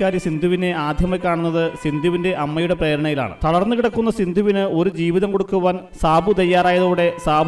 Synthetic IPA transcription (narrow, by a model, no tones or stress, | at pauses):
kːaːɾjɐsind̪ʱuʋine̞aːd̪ʱjɐmɐkʲːaːɳunːɐðɨsind̪ʱuʋinde̞ʔɐmːɐjuɽe̞pre̞ːɾɐɳɐjila̰ːɳɨ̰t̪ɐɽɐrnːukiɽɐkːunːɐsind̪ʱuʋinɨo̞ɾud͡ʑiːʋiðɐmko̞ɽukːuʋaːn | saːbʱut̪ɐjːaːɾaːjɐðoːɽe̞saːbʱ